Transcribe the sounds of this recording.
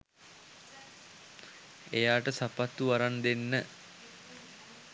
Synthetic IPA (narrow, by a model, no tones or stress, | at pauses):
ejaːʈəsapat̪ːuʋaɾand̪enːə